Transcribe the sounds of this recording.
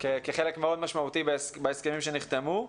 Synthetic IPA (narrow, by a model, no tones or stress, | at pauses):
kekeχe̞le̞kmeo̞d̪maʃmaut̪ibesbeeske̞mimʃeniχt̪emu